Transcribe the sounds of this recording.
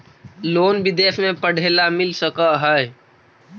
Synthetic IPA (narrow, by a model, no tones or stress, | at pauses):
loːnbɪd̪eːʃmẽpəɽ̤eːlamɪlsəkaɦəe